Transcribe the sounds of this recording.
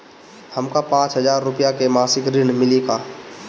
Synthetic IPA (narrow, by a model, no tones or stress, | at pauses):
həmkapãːt͡ʃɦəzaːɾːʊpijakemaːsɪkɾɪɳmɪleːɡaː